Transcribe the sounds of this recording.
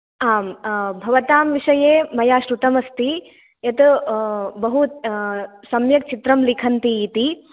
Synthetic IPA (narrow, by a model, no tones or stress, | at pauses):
aːmbʱɐʋɐt̪aːmʋiʂɐjeːmɐjaːʃɾut̪ɐmɐst̪i | jɐt̪ | bɐɦu | sɐmjɐk̚t͡ʃit̪ɾɐmlikʰɐnt̪iːt̪i